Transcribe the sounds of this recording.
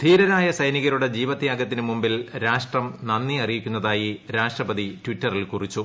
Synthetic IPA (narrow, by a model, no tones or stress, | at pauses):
t̪ʰiːɾɐɾaːjɐsɐjniɣɐɾuɽe̞d͡ʑiːʋɐt̪ːjaːɡɐt̪ːinɨmumbilɾaːʂʈrɐmnɐnːiɐrijikʲːunːɐðaːjiɾaːʂʈrɐbɐðitwʋitːɐrilkurit͡ɕːu